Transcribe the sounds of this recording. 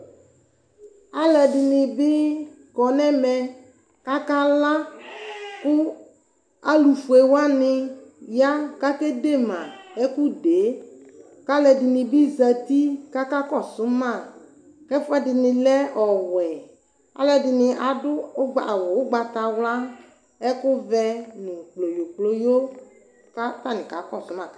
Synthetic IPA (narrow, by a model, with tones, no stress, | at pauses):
a˦lɛ˨dɪ˨nɪ˨bɪ˦ | kɔ˨nɛ˦mɛ˨ | ka˦ka˦la˦ | kʊ˦ | a˦lu˨fu˨e˨wa˦nɪ˧ja˦ka˦kɛ˦de˦˨mã˨ɛ˦kʊ˦de˨˦ | ka˦lɛ˨dɪ˨nɪ˨bɪ˦za˨t̪i˦ka˦ka˦kɔ˦˨sʊ˨˦ma˦˨ | kɛ˦fʊ˦ɛ˦dɪ˨nɪ˨lɛ˦ʔɔ˨wɛ˨ | a̰˦lɛ˨dɪ˨nɪ˧ʔa˨dʊ˦ɡ͡ba˨wɔ˨ʊ˦ɡ͡ba˨ta˨wla˦ | ɛ˦kʊ˦vɛ˧nɪ˨klo˨jo˨k͡plo˦jo˦ | ka˦ta˦˨nɪ̃˨ka˨˦kɔ˦˨sʊ˦ma˨